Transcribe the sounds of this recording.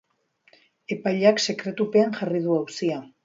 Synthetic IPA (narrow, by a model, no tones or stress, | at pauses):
e̞pajʎakse̞kɾe̞t̪upe̞anʝarið̞uawsia